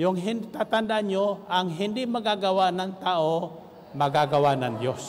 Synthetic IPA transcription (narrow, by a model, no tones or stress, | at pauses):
jʊŋɦɪnd̪t̪at̪and̪aʔɲjoaŋɦɪnd̪ɪʔmaɡaɡawaʔnaŋt̪aʔo | maɡaɡawanaŋd̪jos